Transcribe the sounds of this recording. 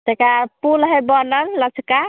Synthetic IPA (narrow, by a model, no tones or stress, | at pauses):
t̪ekapulɦəbɔnəɾlət͡ʃʰka